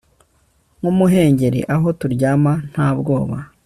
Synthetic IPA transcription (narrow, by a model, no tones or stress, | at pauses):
ŋumuɦe̞ːɲɟe̞ɾḛʔaɦo̞tuɾɟaːman̥haːbɡo̞ːβa̰